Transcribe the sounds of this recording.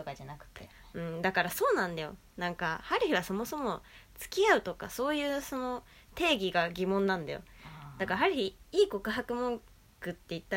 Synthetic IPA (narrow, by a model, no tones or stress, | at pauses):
t̪okad͡ʑanakɯ̟̥t̪ːejo | ɯ̟̃ɴd̪akaɾaso̞ːnãnd̪ajo̞̰ | nãŋkahaɾɯ̟çiβaso̞mo̞so̞mo̞t͡sɨ̥kʲiaɯ̟t̪o̞ka̰so̞ːjɯ̟ːso̞no̞ | t̪e̞ːɡʲiɡaɡʲimõ̞nːãnd̪a̰jo̞̰d̪akaɦaɾɯ̟çiiːko̞kɯ̟ɦakɯ̟mõ̞ŋ | kɯ̟t̪ːe̞it̪ːa